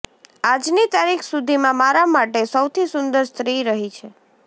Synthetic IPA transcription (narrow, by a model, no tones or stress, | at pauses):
ad͡ʒnit̪aɾikʰsud̪ʱimãmaɾamaʈesəwt̪ʰisʊnd̪əɾst̪ɾiɾəɦit͡ʃʰe